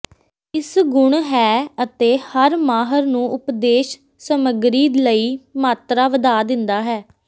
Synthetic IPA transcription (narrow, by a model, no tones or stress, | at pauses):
ɪsɡʊɳɦɛːət̪eːhəɾmaːɦəɾnũːʔʊpd̪eːʃ | səməɡɾiːd̪ləiːmaːt̪ɾaːʋəd̪aːd̪ɪnd̪aːɦɛː